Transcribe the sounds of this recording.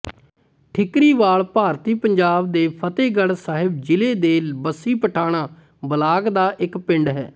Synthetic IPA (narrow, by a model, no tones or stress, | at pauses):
ʈʰɪkɾiːʋaːɭpaːɾt̪iːpəɲd͡ʒaːb̚d̪eːpʰət̪eːɡəɽsaːɦɪbd͡ʒɪleːd̪eːbəsːiːpəʈʰaːɽ̃aː | bəlaːɡd̪aːʔɪkpɪɳɖɦɛ̰ː